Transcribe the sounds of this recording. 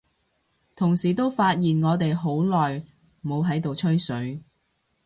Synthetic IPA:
t̪ʰʊ˨˩ŋsiː˨˩t̪o˥wfaː˧t̚jiː˨˩nŋɔː˨˧t̪̬e˨jɦo˨˥wlɔː˨j | mo˨˧wɦɐ˨˥jt̪o˨wt͡ʃʰɵ˥ɥsɵ˨˥ɥ

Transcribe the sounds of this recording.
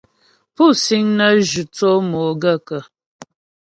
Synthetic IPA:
pu˦˨si˦ŋnə˦ʒu˨t͡so˦mo˨ɡə˦˨kə˨

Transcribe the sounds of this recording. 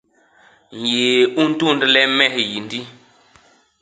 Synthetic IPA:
n˨je˨u˦n̩˦tu˦˨n˦dlɛ˦mɛ˦hji˨n˦di˦

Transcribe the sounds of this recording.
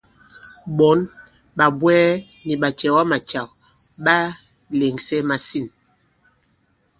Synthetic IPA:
ɓɔ˨˦n | ɓa˨bwɛː˦ | ni˨ɓa˨t͡ʃɛ˨wa˦ma˨t͡ʃa˨k̚ | ɓa˦ | le˨ŋsɛ˦ma˨si˦˨n

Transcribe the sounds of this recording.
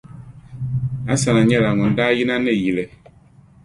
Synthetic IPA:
a˦sa˨nã˨ɲɛ˦la˨ŋɔ̃˨n˨da˦ji˦nã˦nɛ̃˦˨ji˨lɛ˨

